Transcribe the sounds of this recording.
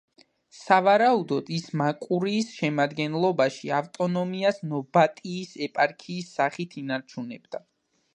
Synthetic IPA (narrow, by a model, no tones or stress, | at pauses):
savaɾaud̪ɔd̪̥ismakʼuɾiːsʃɛmad̪ɡɛnlˠɔbaʃiaft̪ʼɔnɔmiasnɔbat̪ʼiːsɛpʼaɾkʰiːsːaχit̪ʰinaɾt͡ʃʰunɛbd̪a